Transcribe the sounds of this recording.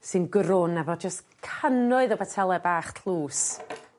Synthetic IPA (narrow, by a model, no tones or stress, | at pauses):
sɨnɡɾʊnɛvɔd͡ʒaskʰənʊɨðɔbɛtʰɛlˠɛbaːχtʰl̥ˠuːs